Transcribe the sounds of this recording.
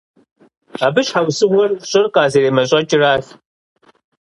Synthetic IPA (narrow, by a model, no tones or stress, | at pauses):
aːbɨɕħawsɨwʷɐrɕʼɪrqʼaːzeɾeːmɐɕʼɐt͡ʃʼɪraːɬ